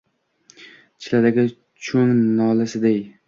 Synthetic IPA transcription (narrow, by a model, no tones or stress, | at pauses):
t͡ʃʰɪlad̪aɡʲɪ | t͡ʃʰoŋnɒlɪsɪd̪ej